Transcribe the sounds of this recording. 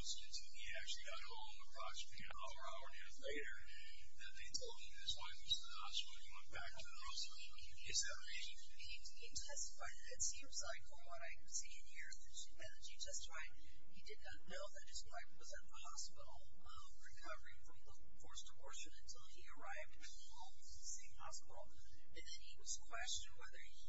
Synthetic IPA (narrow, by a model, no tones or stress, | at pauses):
skɨ̃ntɨ̃iæk̚t͡ʃʉl̩ˠiɡɑɾɔ̃l̃ˠnəpʰɹ̥ɑt͡ʃbiɨ̃a̰ə˞aʊə˞ɛzleɪɾə˞ | ðɨt̪̚ðeɪtʰoʊlˠd̚ɨðɪswʌ̃nɨsəɑ̰sɪ̃nɨwɛ̃nb̥æk̚tʰɨðosʌ | ɨzðɨt | ẽ | i | itʰɛstə̥faɪɾɾɨtsĩmzlaɪkəwʌɾaɪkʰɨd̥siɨ̃nhiɹɨɨt͡ʃmɛɾɨd͡ʒid͡ʒʰʌstfaɪd̚ | hidɨdⁿnɨtⁿnoʊðɨt̚ɨsaɪk̚wʌzɨ̃nðəhɑspɪɾl̩ˠ | ʌ̃ | ɹɨkʰʌvə˞ɪ̃ŋfɹʌ̃mðə | fʰɔɹstʰəɔɹʃɨ̃nɨ̃ntʰɪlˠiə˞aɪvd̚wɨn | ɔlˠ | ðəsẽɪ̃mhɑ̰spɪɾl̩ˠ | ɨ̃nðɨ̃niwʌz̥kʰw̥ɛst͡ʃɨ̃nwɛðə˞